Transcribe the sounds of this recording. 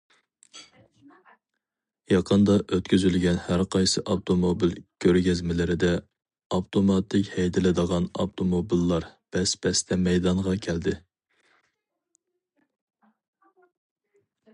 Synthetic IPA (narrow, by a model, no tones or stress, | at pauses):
jɑqʰənd̪ɑʔøt̪kʲyzylɡʲɛnhæɾqɑjsɨʔɑwt̪ʰomobilkʲʰøɾɡʲɛzmɪlɪɾɪd̪ɛ | ɑwt̪ʰomɑt̪ʰːɪkʲhɛjd̪ɪlɪd̪əʁɑnɑ̰wt̪ʰomobilːɑɾb̥ɛspʰɛst̪ʰɛmɛjd̪ɑɴʁɑkʲʰɛld̪ɪ